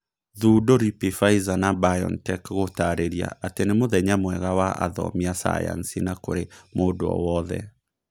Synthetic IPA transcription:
ðuːdoɾipifaizanabajɔ̰ntɛkɣotaɾeɾia̰ʔatenemoðɛɲamwɛɣawaʔa̰ðɔ̰miasa̰ja̰nsinako̰ɾemoːdoɔ̰wɔðɛ̰

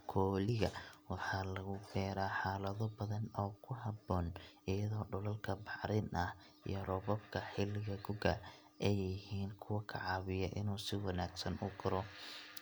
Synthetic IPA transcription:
kʰɔːlɪɣɐwɑħɑːlɐɣʊkʰɛːɾaːħɑːlɐðɔbɐðɐnɔːkʰʊɦɑbɔːnʔɪjɐðɔːɖʊlɐlkʰɐbɑʕɾɪnʔɐh | ʔḭjɔrɔbɔbkʰɐħɪlɪɣɐɡʊɡɐ | ʔɛjɪhiːnkʰʊwɐkʰɐ̰ʕɑːβɪjɐʔɪ̰nuːsɪwɑnaːɡsɐnʔʊɡɐɾɔ

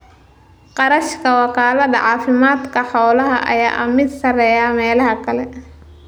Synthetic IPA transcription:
qɑɾɐʃkʰɐwɑkʰaːlɐðɐ̰ʕɑːfɪmaːd̪kʰɐħɔːlɐɦɐ̰ʔɐ̰jaːʔɐ̰mɪd̪sɐrɛjamɛːlɐɦɐkʰɐlɛ

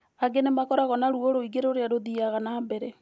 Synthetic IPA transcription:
aɡenemakɔɾaɣɔnaɾuoɾoiɡeɾoɾeaɾoðiaɣanaːmbɛɾɛ

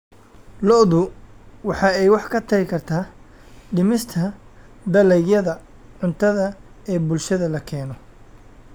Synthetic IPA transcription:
lɔʔðʊwɑħɑːɛjwɑħkʰɐt̪ʰɐɣɪkʰɐrt̪ʰaː | ɖɪmɪst̪ʰɐ | d̪ɐlɛjjɐðɐ | ʕʊnt̪ʰɐðɐɛːbʊlʃɐðɐlɐkʰɛːnɔ

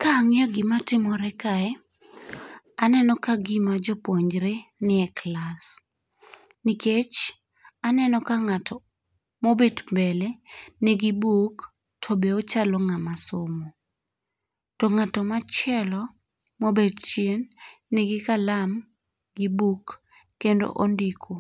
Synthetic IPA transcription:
kaŋjɔɡɪmatɪmɔɾɛkaɛ | anɛnɔkaɡɪmad͡ʒɔpwoɲd͡ʒɾenɪɛklas | nɪket͡ʃ | anɛnɔkaŋatʰɔ | mobedmbɛlɛneɡibuk | tʰɔbeot͡ʃalɔŋamasomo | tɔŋatɔmat͡ʃɛlɔ | mobedt͡ʃjenːɛɡɪkalam | ɡibukː | endo̰ʔondikʰo

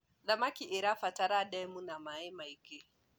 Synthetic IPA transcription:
zamakʲiʔiɾaɸataɾadajmunamaimajɡe

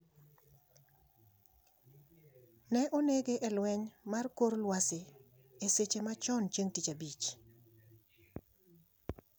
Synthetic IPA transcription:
nɛʔoneɡeʔɛlwɛɲmarkoɾlwasɪ | eset͡ʃemat͡ʃɔnt͡ʃeŋtit͡ʃabit͡ʃ

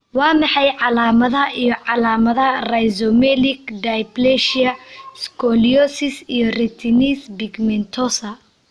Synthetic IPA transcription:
wɑːmɑħɑjʕɑlaːmɐðɐijɔʕɑlaːmɐðɐrajzɔmɛlɪɡd̪ajblɛʃɐskʰɔliɔsɪsijɔrɛt̪ʰinisbɪɡmɛnt̪ʰɔsɐ

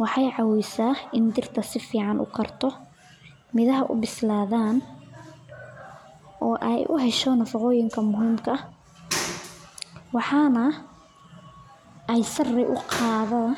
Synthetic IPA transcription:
wɑħɑjʕɑwɛjsaːɪnd̪ɪrt̪ʰɐsɪfiːʕɑnʔʊ̰kʰɐrt̪ʰɔ | mɪðɐɦɐʔʊ̰bɪslaːðaːn | ʔɔːʔɛ̰jʔʊ̰ɦɛʃɔnɐfɑqɔːjɪŋkʰɐmʊɦiːmkʰɐɐ | wɑħɑːnɐ | ʔɛjsɐrɪʔʊ̰qʰɑːðɐː

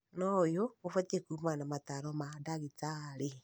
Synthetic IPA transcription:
nɔjoofatekuːmanamataɾɔmadaɣit͡saɾe

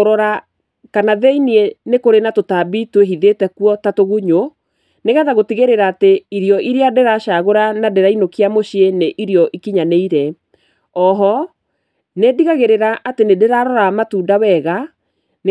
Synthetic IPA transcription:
oɾɔɾa | kanaðeinienekoɾenatotabitweɦiðetɛkuɔtatoɣuɲo | neɣɛðaɣotiɣeɾeɾaːteiɾjɔʔiɾeadɛɾaʃaɣoɾanadɛɾainokiamoɕieneʔiɾjɔʔikiɲaneiɾɛ | ɔɦɔ | nediɣaɣeɾeɾaʔatenedeɾaɾɔɾamatuːdawɛɣa | n

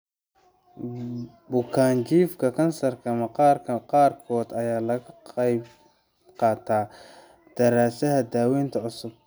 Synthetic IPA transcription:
bʊkʰaːnt͡ʃiːfkʰɐkʰɐnsɐrkʰɐmɐɑːrʰɐqɑːrkʰɔːd̪ɐjaːlɐɣɐɑjb | qɑːt̪ʰaː | d̪̥ɐɾaːsɐɦɐd̪aːwɛːnt̪ʰɐʕʊsʊb̥̚

